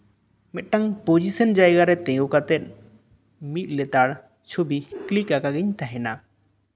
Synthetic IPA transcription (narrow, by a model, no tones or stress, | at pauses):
mɛt̪̚ʈaŋpod͡ʒisənd͡ʒajɡaɾɛt̪ɛ̃ɡokat̪ɛt̪̚ | mit̪̚ˀlɛt̪aɽ | t͡ʃʰobiklikakaɡɪɲt̪aɦɛna